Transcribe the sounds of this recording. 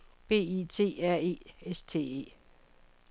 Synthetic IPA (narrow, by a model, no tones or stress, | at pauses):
b̥e̝̰ːit͡sʰe̝̰ːæɐ̰e̝̰ːest͡sʰe̝̰ːe̝̰ː